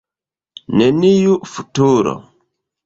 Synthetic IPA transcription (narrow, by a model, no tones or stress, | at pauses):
nɛnijufutuːɾɔ̰